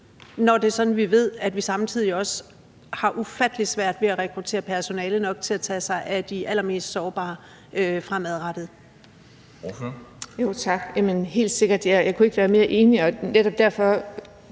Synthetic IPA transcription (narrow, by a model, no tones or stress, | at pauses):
nɒd̥e̝sɒ̽d̥n̩ʋiʋe̝ð̞̰ˠæd̥ʋisɑ̈mt͡sʰið̰ˠiɒ̽s | hɑ̈ʔufæd̥əli̥sʋæɐ̰d̥ʋe̝æʁɛkʰʁut͡sʰe̝̰ːɐpʰæɐso̝nɛːlənɒ̽ɡ̥̚t͡sʰe̝læt͡sʰɛ̰ːsɑ̈ɪʔæd̥iʔælɐme̝̰ːsd̥sɒːb̥ɑ̰̈ː | øfʁamæðˠʁɑd̥ð̩ˠ | jot͡sʰɑ̈ɡ̥jæmənɦe̝̰ːld̥se̝ɡ̥ɐd̥æjɑ̈ɪkʰue̝ɡ̥ʋæːɐme̝ːɐʔe̝ːniɒ̽neɾɒ̽b̥̚d̥æɐfɒ̽